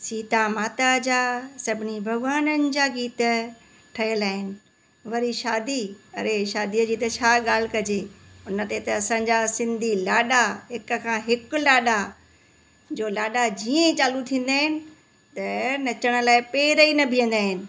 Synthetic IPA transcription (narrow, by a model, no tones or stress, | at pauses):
siːt̪amaːt̪ad͡ʑaːsɐbʱɪnibʱɐɡʋaːnənɪ̆d͡ʑaːɡiːt̪ə̆ | ʈʰɐjəlaːɦɪnɪ̆ | ʋɐɾiʃaːd̪iɐɾeʃaːd̪iəd͡ʑiːt̪ɐt͡ɕʰaːɠaːl̤kɐd͡ʑeːʊnə̆t̪et̪ɐɐsãɲ̆d͡ʑasɪ̃nd̪ʱilaːɗaɦɪk̆kʰãːɦɪkʊ̆laːɗa | d͡ʑoːlaːɗad͡ʑiːẽt͡ɕaːlut̪ʰĩːn̆d̪aːɦɪnɪ̆ | t̪ɐnɐt͡ɕəɽ̃ə̆laːɪpeːɾəinɐbʱiə̃n̆d̪aːɦɪnɪ̆